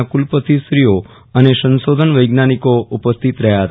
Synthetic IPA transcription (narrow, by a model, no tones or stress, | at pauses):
kulpət̪ʰisɾijo | ənesənsod̪ʱənʋəjɡnanikoupəst̪ʰit̪ɾəɦjaɦət̪